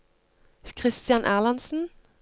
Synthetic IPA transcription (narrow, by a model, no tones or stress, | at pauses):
kʰʁɪst̪jɑnʔæːlɑnsn̩